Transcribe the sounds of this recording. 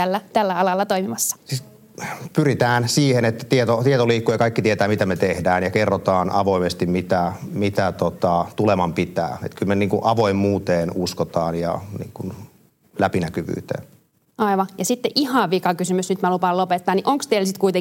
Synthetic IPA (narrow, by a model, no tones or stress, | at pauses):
ælːæt̪ælːæɑlɑlːɑt̪oimimɑsːɑ̥si | pyrit̪æːnsiːhenet̪ːæ̥t̪iet̪ot̪iet̪oliːkːujɑkɑikːit̪iet̪æːmit̪æmet̪ehdæːnjɑkerːot̪ɑːnʔɑʋoimest̪immit̪æmit̪æt̪ot̪ɑt̪ulemɑmpit̪æ̰ːḛt̪kylmeniːŋkuʔʔɑʋoimːuːt̪eːnuskot̪ɑːnjɑ̰nḭːŋkun | læpinækyʋy̰ːt̪ḛːn | ʔɑiʋɑjɑsit̪ːeʔʔihɑʋikɑkysymysnyt̪mælupɑlopet̪ːɑːnniʔoŋkst̪eilsit̪kuit̪e